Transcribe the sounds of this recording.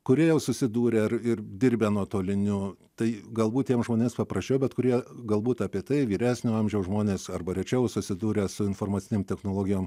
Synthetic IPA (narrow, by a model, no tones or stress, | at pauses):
kʊɾʲiɛjɛʊsʊsʲɪd̪uːɾʲeɐrɪrd̪ʲiːɾʲbʲeːnuɔt̪oːlʲɪnʲʊt̪ɐɪɡɐlˠbuːt̚tʲiɛmszʒmoːnʲeːmspɐprɐsʲt͡ʃʲɛʊbʲɛt̪kʊɾʲiɛɡɐlˠbuːt̪ɑpʲiɛt̪ɐɪʋʲiːɾʲæːsʲnʲoːɐmʲʒʲɛʊsʒmoːnʲeːsɐrbɐɾʲɛt͡ʃʲɛʊsʊsʲɪd̪uːɾʲeːsʊɪnfoːrmɐt̪t͡ssʲɪnʲeːmt̪ʲɛxnoːlˠoːɡʲɪjoːm